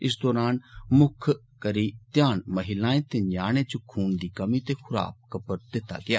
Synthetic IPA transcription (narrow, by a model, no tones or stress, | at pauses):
ɪs̬d̪ɔːɾaːnmʊkʰ | kəɾiːt̪jaːnməɦɪlãːẽːt̪eːɲaːɽ̃ẽːt͡ʃʊkʰːuːnd̪iːkəmit̪eːkʰʊɾa̰ːp̚kəpəɾd̪ɪt̪ːa̰ːɡɪa̰ː